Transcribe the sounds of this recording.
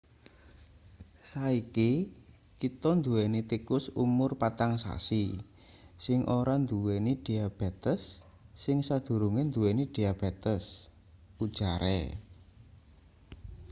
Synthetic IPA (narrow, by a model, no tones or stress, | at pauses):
saiki | kit̪ɔnd̪uwɛnit̪ikʊsṵmʊrpat̪aŋsa̰si | sɪŋʔoɾand̪uwɛniɖ̥i̤ab̥e̤t̪əsː | ɪŋsad̪̥ṳɾuŋɪnd̪uwɛnid̪̥iab̥et̪əs | ud̥ʒ̥a̤ɾḛ